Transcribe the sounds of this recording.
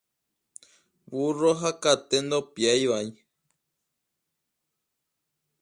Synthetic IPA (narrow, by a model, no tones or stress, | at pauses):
βuroɦakat̪end̪opjajβai